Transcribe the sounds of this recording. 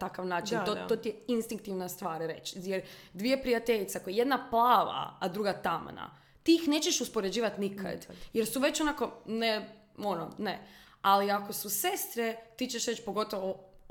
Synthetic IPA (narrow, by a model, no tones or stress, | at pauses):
t̪akaʋnaːt͡ʃinnt̪ot̪ot̪ijeinst̪iŋk̚t̪iʋnast̪ʋaːɾɾe̞̰t͡ʃjeɾd̪ʋijepɾiat̪e̞ʎit̪seakojeje̞d̪naplˠaːʋa̰ːd̪ɾuɡat̪am̰na̰ | t̪iixne̞ːt͡ʃeʃuspoɾe̞d͡ʑiːʋat̪nikʰa̰d̪je̞ɾsuʋe̞t͡ɕonako̞ne | onone | aliako̞suse̞st̪ɾet̪iːt͡ʃeʃɾet͡ʃpo̞ɡo̞t̪oʋo